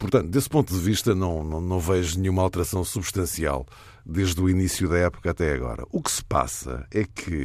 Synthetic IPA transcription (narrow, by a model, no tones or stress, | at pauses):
puɾt̪ɐ̃nt̪ud̪espõnt̪uðɨviʃt̪ɐnɐ̃w̃nɐ̃w̃nɐ̃w̃vɛʒunɨɲumɐalˠt̪ɨɾɐsɐ̃w̃suβʃt̪ɐ̃sia̰lˠ | d̪eʒðuinisjuðɐɛpu̥kat̪ɛɐɣɔ̰ɾɐ̰ʔuksɨ̥pa̰sɐ̰ɛkʰɨ